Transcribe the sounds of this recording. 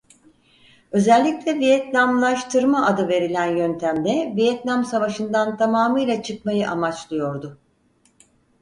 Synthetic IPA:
ø̞zælʲːiclʲɛvijɛt̪nʲamlˠaʃt̪ʰɯɾmaʔad̪ɯve̞ɾilʲænjønt̪ʰæmd̪ɛvijɛt̪namsavaʃɯnd̪ant̪ʰamaːmɯjlʲˠat͡ʃʰɯkmajɯʔamat͡ʃlˠɯjo̞ɾd̪ʊ

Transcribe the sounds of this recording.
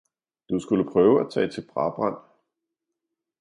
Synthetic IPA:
d̥usɡ̥uləpʰʁœːʊæt͡sʰɛ̰ːt͡sʰe̝lb̥ʁɑ̈b̥ʁɑn̰

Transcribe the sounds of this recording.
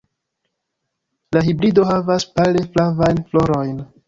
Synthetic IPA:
laɦibɾido̞ɦavaspale̞flavajnflo̞ɾo̞jn

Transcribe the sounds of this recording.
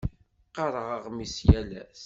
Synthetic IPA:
qːɑɾˤəʁəʁmisjælæ̰s

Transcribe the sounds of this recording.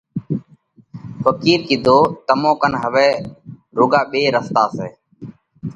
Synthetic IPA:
pəkiːɾkɪd̪ʱoːt̪əmõːkənɦəʋɛːɾʊːɡaːɓeːɾəst̪aːseː

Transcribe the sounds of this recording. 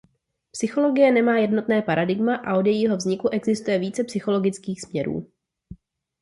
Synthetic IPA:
psɪxo̞lo̞ɡɪjɛnɛmaːjɛdno̞t̪nɛːpaɾadɪɡmaʔa̰ʔo̞djɛjiɦo̞vzɲɪkuʔɛɡzɪst̪ujɛviːt͡sɛpsɪxo̞lo̞ɡɪt͡skiːxsmɲɛɾṵː

